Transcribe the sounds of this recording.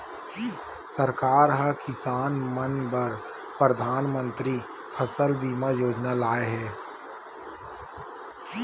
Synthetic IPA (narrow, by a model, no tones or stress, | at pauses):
səɾkaːɾɦakɪsaːnmənbɐɾ | pɾəd̪ʱaːnmə̃nt̪ɾi | pʰɐsəlbiːmajoːd͡ʒnalaːeɦɛː